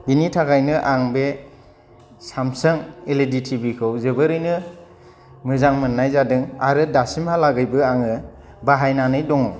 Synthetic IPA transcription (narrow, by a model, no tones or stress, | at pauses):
binitʰaɡajnɯʔaŋbe | samsɯŋeleditʰibikʰɯwzɯbɯɾɯjnɯ | mɯzaŋmɯnːajzadɯŋaɾɯdasimhalaɡɯjbɯaŋɯ | baɦajnanɯjdɔŋɯw